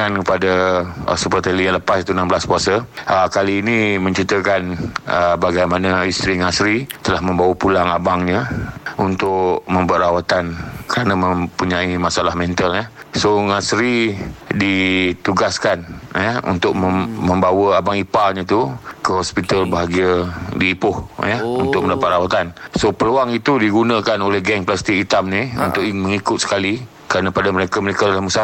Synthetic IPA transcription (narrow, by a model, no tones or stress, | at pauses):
ankəpada̰supərt̪əlijaŋləpasit̪unambəlaskuasəəkaliːnĩmə̃ɲt͡ʃit̪əkanəbaɡajmanaist̪ɾiŋasɾit̪əlahmə̃mbawəpulaŋabaŋɲəunt̪ʊʔmə̃mbat̪ɾawat̪ankəɾanãmə̃mpuɲãimasalahmɛ̃nt̪aljəsoŋasɾidit̪uɡaskanjəṵnt̪ʊk̚məmə̃mbawəabaŋipalɲãt̪ukəɦɔspit̪əlbəɦaɡiadiːpʊhjəṵnt̪ʊk̚məndapat̪̚rawat̪ansopəluaŋit̪udiɡunãkanolɛhɡɛŋplast̪ɪk̚it̪amniṵnt̪ʊʔməŋikʊt̪̚sə̥kali | kəɾanãpadaməɾekaməɾekadalahmusa